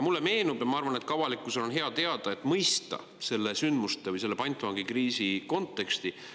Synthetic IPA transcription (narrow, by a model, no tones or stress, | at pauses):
jɑmulːe̞me̞ːnub̥jɑmɑɑrvɑne̞t̪kɑvɑlikːˑuselo̞nɦe̞ɑt̪e̞ɑd̪̥ɑet̪ːˑmɤjst̪ɑ̰ | se̞lːe̞synd̪̥must̪evɯɨjse̞lːpɑjnt̪ːˑuɑŋɡikriːsiko̞nt̪ːˑe̞kst̪i